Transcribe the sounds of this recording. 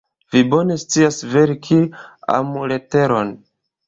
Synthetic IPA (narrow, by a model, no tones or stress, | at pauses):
vibo̞ne̞st͡siasve̞ɾkʰia̰mule̞te̞ɾo̞n